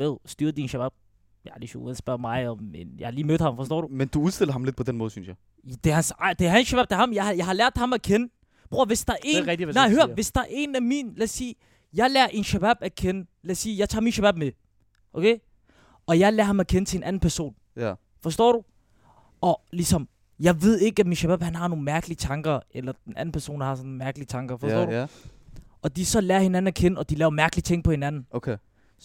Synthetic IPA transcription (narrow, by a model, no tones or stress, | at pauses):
eð̰ˠsd̥yːɐdinʃæb̥æb̥̚ | jɑliʃo̰ṵnsb̥ɶɐ̰mɑ̈ɪɒmenjɑaɪhɑliːmød̥ˠhɑ̈mfɒsd̥ɔ̰ːd̥ɾumend̥uuðˠsd̥e̝lɐɦɑ̈mled̥̚pʰɔ̽d̥enmɔ̽ːðˠsynsjɑɪ | d̥ehænsd̥eæɐɦænsʃæb̥æb̥̚d̥ehɑ̈mjɑɪhjɑɪhɑ̈læɐ̰d̥hɑ̈mækʰenə | b̥ʁoɐʋe̝sd̥ɑɐʔe̝ʁɛd̥inɑɪɦøɐʋe̝sd̥ɑɐʔe̝næminlæsiː | jɑ̈ɪlæɐʔe̝nʃæb̥æb̥ækʰenəlæsiːjɑ̈ɪt͡sʰɑ̰̈ːminʃæb̥æb̥̚me | ʔokʰe | ʔɒ̽jɑ̈ɪlæɐhɑ̈mækʰenət͡sʰe̝enʔæn̩pʰæɐso̝̰ːn | fɒ̽sd̥ɔ̰ːɾ̥u | ɒ̽lisɒ̽m | jɑ̈ɪʋe̝ð̞̰ˠe̝ɡ̥əæminɕæb̥æb̥hænɦɑ̈no̝ːn̩mæɐɡ̥əlit͡sʰɑ̈ŋɡ̥ɐelɐd̥enʔæn̩pʰæɐso̝̰ːnhɑ̈sɒ̽nmæɐɡ̥əlit͡sʰɑ̈ŋɡ̥ɐfɒsdɔ̰ːd | ʔɒ̽d̥isɒ̽læɐhe̝næn̩ækʰenəɒ̽d̥ilɛːʊɐmæɐɡ̥lit͡sʰeŋ̰ɡ̥̚pʰɒ̽he̝nænn̩okʰe